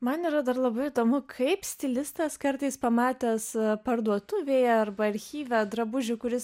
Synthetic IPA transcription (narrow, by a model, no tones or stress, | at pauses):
mɐniːɾɐd̪ɐrlˠɐbɐɪid̪oːmʊkʰɐɪpsʲt̪ʲɪlʲɪst̪ɐskɐɾt̪ɐɪspɐmɑːt̪ʲɛːspɐɾd̪uɔt̪ʊʋʲeːjɛɐrbɐɐɾʲxʲiːʋʲɛd̪ɾɐbʊʒʲʊkʊɾʲɪs